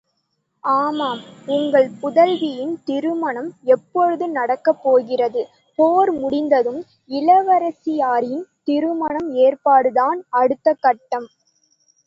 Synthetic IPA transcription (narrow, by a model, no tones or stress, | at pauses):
aːmaːmʊŋɡɐɭpʊðɐlʋɪjɪnt̪ɪɾɯmɐɳɐmɛpːɔɻɯðɯnɐɽɐkːɐpːoːɣɪrɐðɯ | poːɾmʊɽɪnd̪ɐðɯm | ɪlɐʋɐɾɐsɪjaːɾɪnt̪ɪɾɯmɐɳɐmeːrpaːɽɯðaːnɐɽɯt̪ːɐkːɐʈːɐm